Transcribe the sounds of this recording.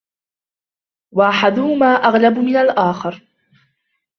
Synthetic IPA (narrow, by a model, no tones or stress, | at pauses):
waʔaħad̪ʊhʊmaːʔaɣlabmɪnalʔaːxɑɾ